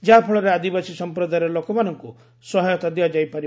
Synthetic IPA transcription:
d͡ʒɦapʰɔɭɔɾead̪ibasisɔmpɾɔd̪ajɔlokɔmanɔŋku | sɔɦɔjɔt̪ad̪jad͡ʒajpaɾi

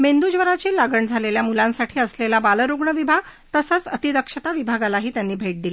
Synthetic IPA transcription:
mend̪ud͡ʑʋəɾat͡ɕiːlaɡəɳd͡zʱaleljamulãnsaʈʰiːəslelabaləɾuɡɳəʋibʱaɡt̪əsət͡sət̪iɾəkʂət̪aʋibʱaɡalaɦiːt̪janːiːbʱeʈ̚d̪ile

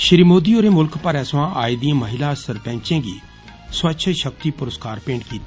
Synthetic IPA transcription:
ʃɪɾiːmoːd̪iːoːɾeːmʊlkpəɾɛːsʋãːʔaːiːd̪iãːməɦɪlãːsəɾpɛ̃ːɲt͡ʃẽːɡḭː | swətːʃʰʃək̚t̪iːpʊɾəskaːɾpẽːɳɖkiːt̪ː

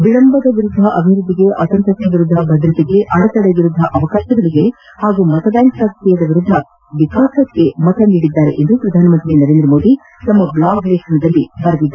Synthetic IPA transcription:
ɐbiɭɐmbɐd̪ɐʋiɾud̪ʱːɐʔɐbʱiɾud̪ːiɡe̞ʔɐsɐnt̪ɐstʰːɐʋiɾud̪ʱːɐbʱɐd̪ɾɐt̪iɡe̞ʔɐɽɐt̪ɐɽeʋiɾud̪ʱːɐʔɐʋɐkaːʃɐd̪ɐɭiɡe̞ | haːɡumɐt̪ɐbjaːŋksakt̪ɛjɐd̪ɐʋiɾud̪ʱːɐ | ʋikaːsɐkːe̞mɐt̪ʰɐniːɽid̪ːaːɾḛʔend̪upɾɐd̪ʱaːnɐmɐnt̪ɾinɐɾeːnd̪ɾɐmoːd̪i | t̪ɐmːɐblaːɡʱɾeːʃɐnɐd̪ɐlːibɐɾɐd̪id̪ːɐ

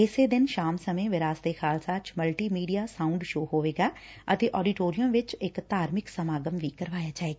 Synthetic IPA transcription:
ɪseːd̪ɪnʃaːmsəmẽːʋɪɾaːsd̪eːxʰaːlsaːt͡ʃməlʈiːmiːɖijaːsaːʊɳɖʃoːɦoːʋeːɡaː | ət̪eːʔɔːɖiːʈoːɾijəmʋɪt͡ʃɪkt̪aːɾmɪksəmaːɡəmʋiːkəɾʋaːjaːd͡ʒaːeːɡaː

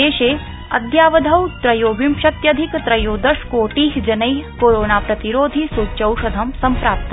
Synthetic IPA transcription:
eːʃeː | ɐd̪jaːʋɐd̪ʱɐwt̪ɾɐjoːbimʃɐt̪jɐd̪ʱikt̪ɾɐjoːd̪ɐʃkoːʈiːɦd͡ʒɐnɐjkoːɾoːnaːpɾɐt̪iɾoːd̪ʱisuːt͡ʃɐwʃɐd̪ʱɐmsɐmpɾaːp̚t̪ʰɐ

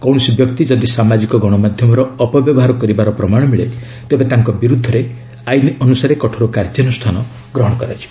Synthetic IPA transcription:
kɔwɽ̃ɔsibjɔkt̪id͡ʒɔd̪isamad͡ʒikɔɡɔɽ̃ɔmad̪ʱjɔmɔɾɔːpɔbjɔbɔɦaɾɔkɔɾibaɾɔpɾɔmaɽ̃ɔmiɭe | t̪ebet̪aŋkɔbiɾud̪ʱːɔɾe | ajniɔnusaɾekɔʈʰɔɾukaɾd͡ʒjɔnusʈ̪ʰanɔ | ɡɾɔɦɔɽ̃ɔkɔɾat͡ʃʰi̥

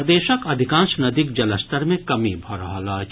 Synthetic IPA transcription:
d̪eːʃəkɐd̪ʱɪkãːnʃnɐd̪ik̚d͡ʒɐləst̪əɾmẽkɐmibʱɔɾɦalaː

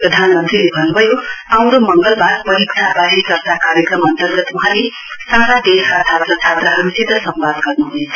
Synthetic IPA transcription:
prʌd̪ʱanmʌnt̪rilebʱʌnubʱʌjoãw̃ɾomʌŋɡʌlbaɾpʌɾikʈʰabaɦikʌrt̪akaɾjʌkrʌmʌnt̪ʌrɡʌt̪wʌɦãle | saɾad̪esʌt̪ʰat̪rʌt͡sʰat̪ɾʌɦʌɾusid̪ʱʌsʌmbad̪ɡʌrnuɦuet͡sʰ

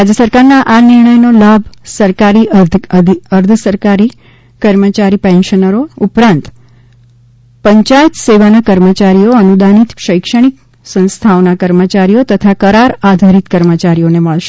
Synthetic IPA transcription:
ɾad͡ʒəsəɾkaɾnaʔanɪɾɳəjnolabʱsəɾkaɾiʔ̪ | əɾd̪ʱəsəɾkaɾi | kəɾmət͡ʃaɾipɛ̃nʃənəɾoupɾãnt̪ | pəɲt͡ʃaet̪seʋanakəɾmət͡ʃaɾijoənud̪anit̪ʃəjkʃəɽ̃ik | sə̃nst̪ʰaonakəɾmət͡ʃaɾijot̪ət̪ʰakəɾaɾad̪ʱaɾit̪kəɾmət͡ʃaɾijoneməɭʃe̥

